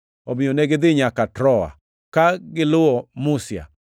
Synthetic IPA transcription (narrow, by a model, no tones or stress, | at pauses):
ɔmɪɔnɛɡɪðɪɲakatɾɔa̰ | kaɡɪlʊɔmusja̰